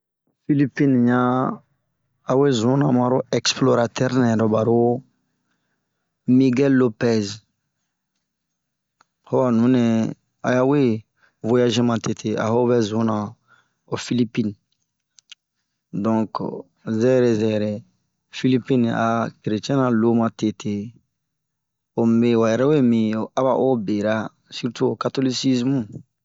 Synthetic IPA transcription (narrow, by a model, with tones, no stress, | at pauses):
fi˦li˦pi˦nɲã˦ | a˨we˦zũ˨˦nã˨mã˦ɾo˦ɛ˨ksplo˦ɾa˨t̪ɛ˦ɾnɛ̃˨ɾɔ˨ba˨ɾo˦ | mi˦ɡɛ˦lːo˦pɛ˦z | ho˦wa˨nũ˨˦nɛ̃˨ | a̰˨ja˦we˦ | vo˦ja˦ʒe˦mã˨te˨tʰe˨a̰˨ɦo˦βɛ˦zũ˨˦nã˨ | o˨fi˦li˦pi˦n | dɔ̃˨k | zɛ˦ɾe˨zɛ˨ɾɛ˨ | fi˦li˦pĩ˦na̰˨kɾe˨t͡ʃɛ̃˦nã˨lo˦mã˨te˨tʰe˨ | o˨m˨e˨wa˨ɛ˨ɾɛ˦we˦mĩ˨a˦βa˨ʔo˦be˨ɾa˦ | si˦ɾtu˦o˨ka˦to˦li˦si˦zmũ˦